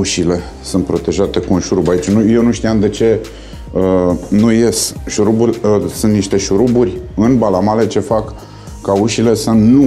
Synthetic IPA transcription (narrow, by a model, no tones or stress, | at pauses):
uʃile̞ | sunt̪pɾo̞t̪e̞ʒat̪e̞kuunʃuɾubait͡ʃnujewnuʃt̪ijamd̪e̞t͡ʃe̞ | ənuje̞sʃuɾubulʲsunt̪niʃt̪e̞ʃuɾuburʲɨnbalamale̞t͡ʃe̞fakː | auʃile̞sənu